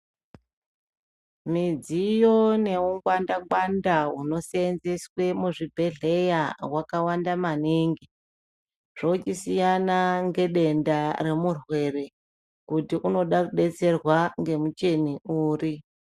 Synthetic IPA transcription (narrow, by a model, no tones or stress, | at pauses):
mid͡zijo̞ne̞uŋɡwandaɡandaɦuno̞seenzeswe̞muʐibʱe̞ɮe̞jaɦwakawandamaniŋɡi | ʐ̥ot͡ʃisijanaŋɡe̞ɗe̞ndare̞murwe̞re̞ | kutiʔuno̞ɗakuɗe̞t͡se̞rwaŋɡe̞mut͡ʃe̞niuːri